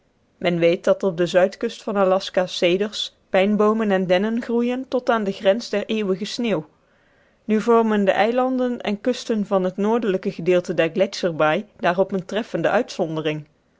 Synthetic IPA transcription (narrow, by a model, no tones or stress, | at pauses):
mɛnʋejt̚dɑtɔb̚dəzœɥtkɵstfɑnalɑskasejdəɹs | pɛjnbowmənɛndɛnənχrujəntɔtaːndəχrɛnzdɛɹʔeːwəɣəsneːw | nyvɔɹməndə̰ʔɛjlɑndənɛ̰nkɵstənvɑnɦətnoːɹdələkəχədɪːlˠtədɛɹɡlɛsəɹbajd̥aːrɔpəntrɛfəndəʔœɥtsɔndərɪŋ